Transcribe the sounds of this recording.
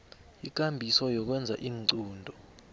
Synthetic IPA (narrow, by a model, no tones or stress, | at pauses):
ik̬ʼambʱisɔjɔk̬wɛnd͡zʱaʔiːŋǀuːndʱɔ